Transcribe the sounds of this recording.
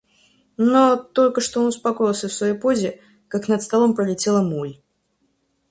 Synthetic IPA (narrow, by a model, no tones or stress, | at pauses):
not̪o̞lʲkəʂt̪oonʊspɐko̞jɪlˠsʲəfsvɐjojpo̞zʲɪ | kaknət̪st̪ɐlˠo̞mpɾəlʲɪtʲe̞lˠəmulʲ